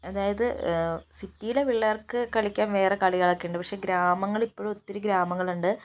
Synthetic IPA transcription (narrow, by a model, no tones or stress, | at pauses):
ɐðaːjɐðɨsitːijileʋiɭːɐɐrkɨkɐɭikʲːaːnʋe̞ːrekaɭiɣɐɭɐkːijuɳɖɨpɐkʂe̞ːɡɾaːmɐŋːɐɭipːoːɻuot̪ːiɾuɡɾaːmɐŋːɐɭuɳɖɨ